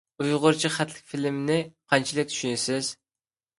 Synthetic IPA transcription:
ujʁʊɾt͡ʃʰiχæt̪ʰlɪ̥k̚ʲfilɪmnɪqʰɑnt͡ʃʰilɪk̚ʲt̪ʰy̥ʃynɪsɪz̥

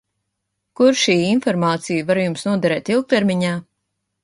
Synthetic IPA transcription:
kuɾʃiːinfɔɾmaːt̪sijuvaɾjumsnuɔd̪aɾɛːt̪ilˠk̚t̪eɾmʲiɲaː

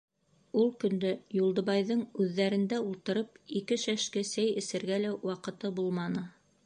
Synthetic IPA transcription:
ulˠkɵ̆nd̪ɘjulˠd̪ɤ̆βɑjðɤɴʉðːæɾɘ̆nd̪æulˠt̪ɤ̆ɾɤpikɘʃæʃkɘsæjɘ̆sɘ̆ɾɡælæwɑqɤ̆t̪ɤbulˠmɑnɤ

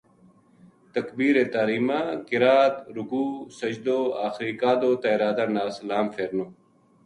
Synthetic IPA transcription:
t̪ɐkbiːɾeːt̪aːɾiːmaːkɪɾaːt̪ɾʊɡuːsɐd͡ʒd̪oːaːxɾiːkaːd̪oːt̪aiɾaːd̪ɐɾnaːsɐlaːmfeːɾnoː

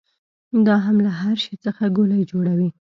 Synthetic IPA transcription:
d̪ɑɦamlaɦaɾʃet͡səxaɡolajd͡ʒoɽawi

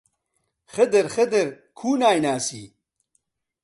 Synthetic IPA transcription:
χəd̪əɾχəd̪əɾ | kʰuːnaːjnaːsḭː

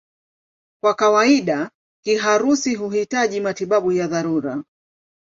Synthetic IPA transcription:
kwakawaiɗa | kiɦaɾusiɦuhitaʄimatiɓaɓujaðaɾuɾa

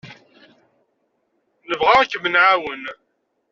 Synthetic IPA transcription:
nəvʁakːmənʕawən

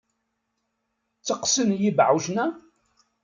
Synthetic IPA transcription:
t͡sːəqsənjibʕuwʒnæ

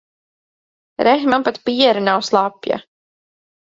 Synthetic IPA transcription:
ɾɛxmampat̪piɛɾanawslˠapja̰

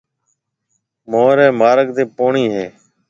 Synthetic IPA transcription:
moːɾɛ̃ːmaːɾəɡ̚d̪eːpoːɳiːɦeː

